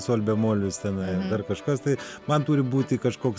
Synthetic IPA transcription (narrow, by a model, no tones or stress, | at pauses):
soːlʲbʲɛmoːlʲɪst̪ʲɛnɐɪd̪ɐrkɐʃkɐst̪ɐɪ | mɐnt̪uːɾʲɪbuːt̪ʲɪkɐʃkoːks